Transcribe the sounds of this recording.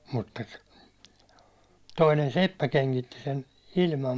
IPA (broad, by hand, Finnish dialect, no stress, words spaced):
mutːɑ toinen sepːæ keŋkitːi sen ilmɑm